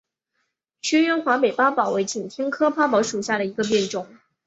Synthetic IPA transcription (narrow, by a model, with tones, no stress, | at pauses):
ɕʰɥɛ˥nɥɛ˥nxwa˧˥pe˨˩ɪpa˥pɑ˨˩ʊwe˧˥ɪt͡ɕʰi˨˩ŋt̪ʰjɛ˥ŋkʰɤ˥pʰa˥pɑ˧˥ʊʂu˨˩ɕja˥˩ɾə˩i˧˥ɡə˧p̬jɛ˥˩nʈ͡ʂʊ˨˩˦ŋ